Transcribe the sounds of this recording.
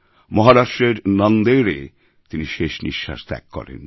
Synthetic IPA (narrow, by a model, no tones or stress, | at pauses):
mɔɦaɾaʃʈɾeɾnand̪eɾe | t̪iniʃeʃnḭʃːa̰ʃt̪ɛ̰kːkɔ̰ɾḛn